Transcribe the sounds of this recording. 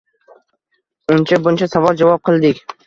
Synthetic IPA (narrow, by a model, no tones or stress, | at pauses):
ʊnt͡ʃʰabʊnt͡ʃʰasavɒlˠd͡ʒavɒp̚qʰɨlˠd̪ɪkʲ